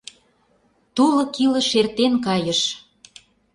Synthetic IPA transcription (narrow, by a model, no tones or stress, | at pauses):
t̪ulɤ̆kilə̆ʃert̪enkɑjəʃ